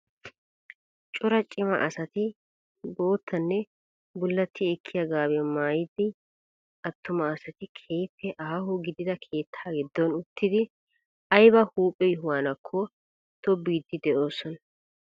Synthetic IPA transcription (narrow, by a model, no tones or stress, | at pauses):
t͡ʃʼʊɾɐt͡ʃʼɪmɐ̰ʔɐsɐt̪ɪ | bo̞ːt̪ːɐnːɛ | bʊlːɐt̪ːɪɛkʰːɪjɐɡaːbɛmaːjɪd̪ɪ | ɐt̪ːʊmɐːsɐt̪ɪkʰeːjpːɛʔaːɦʊɡɪd̪ɪd̪ɐkʰe̞ːt̪ʰːaːɡɛd̪ːɔnʊt̪ʰːɪd̪ɪ | ɐjbɐhuːpʼːɛjʊɦʊwaːnɐkʰːɔ | t̪ɔbiːd̪ːɪd̪ɛʔoːsːɔnɐ